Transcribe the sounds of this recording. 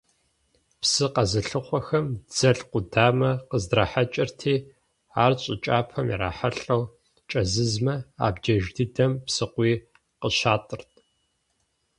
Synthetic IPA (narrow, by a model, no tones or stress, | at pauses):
psɨqɐzɨɬɨχʷɔxɐmd͡zɐɬqʷʊdaːmɐqəzdraħat͡ʃʼɪrtʰiː | aːrɕʼɪt͡ʃʼaːpʰɐmḭɾa̰ːħaɬʼɐw | t͡ʃʼɐzɨzmɐa̰ːbd͡ʒɐʒdʰɨdɐmpsɨqʷiː | qəɕaːtʼɨrtʰʼ